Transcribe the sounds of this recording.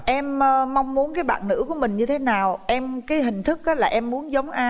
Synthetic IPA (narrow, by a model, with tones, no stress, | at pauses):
ʔɛ˧mː˧ma˧wŋ͡mmu˨˦nkaː˨˦jɓa̰ː˧˨nnɨ̰˧˥ku˧˩əmï˨˩ŋ̟ɲɨ˧t̪ʰe˨˦naː˨˩wʔɛ˧mkaː˨˦jɦï˨˩ŋ̟t̪ʰɨ˦˥k̚ʔaː˨˦la̰ː˨˩ʔɛ˧mːu˨˦ənzə˨˦wŋ͡mʔaː˧